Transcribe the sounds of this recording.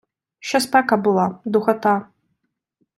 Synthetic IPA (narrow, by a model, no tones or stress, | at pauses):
ʃɐspʰakabɨlˠad̪uxɐtʰa